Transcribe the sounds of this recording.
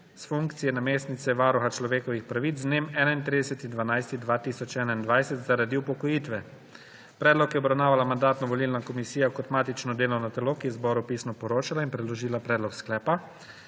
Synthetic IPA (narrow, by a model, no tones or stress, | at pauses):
sfuŋkt̪sijɛnameːsnit̪sɛʋaːɾuxat͡ʃlɔʋeːkɔʋixpɾaʋit̪zneːmɛːnaint̪ɾiːd̪ɛsɛt̪ind̪ʋanajst̪id̪ʋaːt̪isɔt͡ʃɛːnaind̪ʋajsɛt̪zaɾad̪iupɔkɔjiːt̪ʋɛ | pɾɛːd̪lɔkjɛɔbɾawnaːʋalamand̪aːt̪nɔʋɔlilnakɔmisiːjakɔt̪maːt̪it͡ʃnɔd̪eːlɔnat̪ɛloːkijɛzbɔːɾupisnɔpɔɾoːt͡ʃalainpɾɛd̪lɔʒiːlapɾɛːd̪lɔksklɛːpa